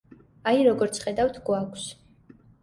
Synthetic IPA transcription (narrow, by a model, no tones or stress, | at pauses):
aiɾɔɡɔɾt̪sʰχɛd̪awt̪ʰɡwakʷʰs